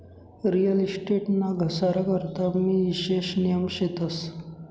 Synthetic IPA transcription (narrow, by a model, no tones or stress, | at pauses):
ɾijəlisʈeʈnaɡʱəsaɾakəɾt̪amiːiɕeɕnijəmɕet̪əs